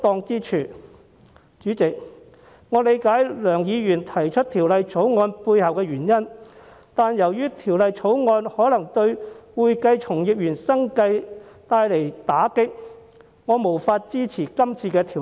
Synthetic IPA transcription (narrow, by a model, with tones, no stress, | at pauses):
t̪ɔː˧ŋt͡siː˥t͡ʃʰyː˨˩ | t͡ʃyː˨˥t͡sɪ˨k̚ | ŋɔː˨˧le˨˧jkaː˨˥jlœː˨˩ŋjiː˨˧jyː˨˩nt̪ʰɐ˨˩jt͡ʃʰɵ˥t̚t̪ʰiː˨˩wlɐ˨˧jt͡sʰo˨˥wŋɔː˧npuː˧jhɐ˨wkɛː˧ɥyː˨˩njɐ˥n | t̪aː˨njɐ˨˩wjyː˥t̪ʰiː˨˩wlɐ˨jt͡sʰo˨˥wŋɔː˧nhɔː˨˥lɐ˨˩ŋt̪ɵ˧ɥwuː˨jkɐ˧jt͡sʰʊ˨˩ŋjɪ˨p̚jyː˨˩nsɐ˥ŋkɐ˧jt̪aː˧jle˨˩jt̪aː˨˥kɪ˥k̚ | ŋɔː˨˧mo˨˩wfaː˧t̚t͡siː˥t͡sʰiː˨˩kɐ˥mt͡sʰiː˧kɛː˧t̪ʰi˨˩